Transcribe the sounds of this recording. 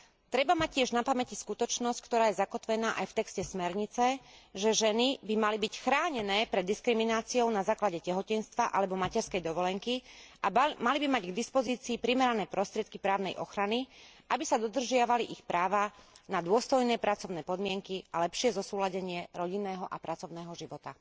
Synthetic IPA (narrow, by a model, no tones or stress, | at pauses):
t̪ɾɛbamac̚cːɪɛʒnapamɛciskut̪ɔt͡ʃnɔsckt̪ɔɾaːjɛzakɔt̪ʋɛnaːʔajft̪ɛkscɛsmɛɾɲit͡sɛʒɛʒɛnibimalibicxɾaːɲɛnɛːpɾɛd̪ːiskɾiminaːt͡siɔʊnazaːklaɟɛcɛɦɔcɛnst̪ʋaʔalɛbɔmacɛɾskɛjd̪ɔʋɔlɛŋkiʔamalibimaɟɡd̪ispɔziːt͡siːpɾimɛɾanɛːpɾɔst̪ɾɪɛt̪̚kipɾaːʊnɛjʔɔ̰xɾaniʔabisad̪ɔd̪r̩ʒɪaʋaliʔixpɾaːʋanad̪ʊɔst̪ɔjnɛːpɾat͡sɔʊnɛːpɔd̪mɪɛŋkialɛpʃɪɛzɔsuːlaɟɛɲɪɛɾɔɟinːɛːɦɔʔapɾat͡sɔʊnɛːɦɔʒiʋɔt̪a